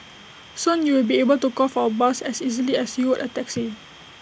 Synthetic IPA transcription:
sũnjuwilbiebəltukɔfaəbasɛsizəliɛsjuwʊdətɛksi

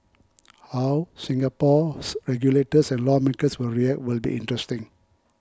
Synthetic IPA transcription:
hawsĩŋɡapɔsɹɛɡjuletəsɛ̃nlɔmekəswɪlɹiɛk̚twilbḭʔḭ̃ntɹɛstĩŋ

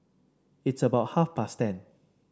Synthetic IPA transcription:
ɪtsəbaʊt̚hafpastɛ̃n

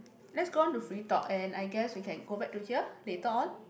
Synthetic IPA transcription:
lɛtsɡõntufɹit̪ɔ̰ɛ̃najɡɛswikʰɛ̃nɡobɛk̚tut͡ʃɛplet̪ɔn

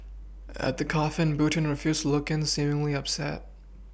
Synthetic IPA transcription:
ɨ̰t̪̚ðɨkʰɑfɨ̃nbʉʔn̩ɹɨfjʉz̥tʰəlʊkɨ̃nsĩmɪ̃ŋliʌpsɛ̰t̚

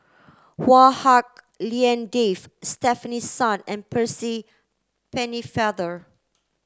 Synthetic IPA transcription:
wahak̚ | liɛ̃ndefstɛfənisːãnɛ̃npʰəsi | pɛnifaðə

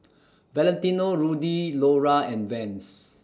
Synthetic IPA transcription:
vɛlɛ̃nt̪inoɹudiloɹaɛ̃nvɛ̃ns

